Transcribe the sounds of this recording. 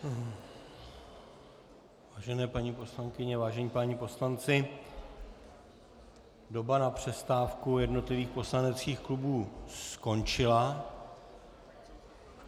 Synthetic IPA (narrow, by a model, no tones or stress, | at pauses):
vaːʒɛnɛːpaɲipo̞slaŋkɪɲɛvaːʒɛɲiːpaɲiːpo̞slant͡sɪ | do̞banapr̝̥ɛst̪aːfkujɛdno̞t̪lɪviːxpo̞slanɛt͡skiːxklubuːsko̞nt͡ʃɪla